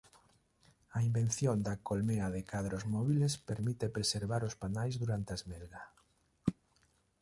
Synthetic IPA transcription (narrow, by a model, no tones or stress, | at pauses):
ɐimben̟θjond̪akolmeaðekaðɾozmɔβilespeɾmit̪epɾeseɾβaɾospanajzðuɾant̪eaezmelɣa